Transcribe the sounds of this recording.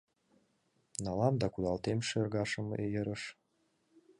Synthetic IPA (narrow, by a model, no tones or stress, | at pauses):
nɑlɑmd̪ɑkud̪ɑlt̪emʃerɣɑʃəmḛjəɾəʃ